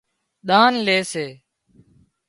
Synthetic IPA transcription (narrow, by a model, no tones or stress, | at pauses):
ɗ̪aːnleːseː